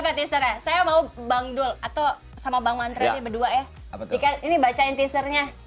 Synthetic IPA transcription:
apat̪isəɾasajamaubaŋdʊlat̪aw | samabaŋmant̪ɾat̪abəduaʔja | dikaninibat͡ʃaɪnt̪isərɲa

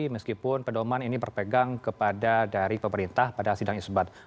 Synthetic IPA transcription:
iməskipʊnpədomaninibərpəɡaŋkəpadadaɾipəməɾint̪ahpadasidaŋisbat̪̚

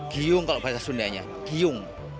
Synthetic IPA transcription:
ɡ̥ijʊŋkaloʔbɾasasundaɲa̰ | ɡ̥ijʊŋ

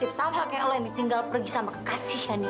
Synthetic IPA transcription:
ɪp̚t̪awɦakajaʔlɔjaŋdit̪iŋɡalpərɡisamakə̥kasɪhjani

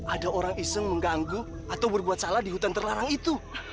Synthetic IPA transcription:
ʔadaoɾaŋisəŋməŋɡaŋɡu | at̪awbərbuat̪̚saladiɦut̪ant̪ərlaɾaŋit̪u

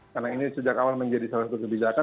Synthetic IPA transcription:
karnainisəd͡ʒakawalməɲd͡ʒadisalasat̪ukəbid͡ʒaka

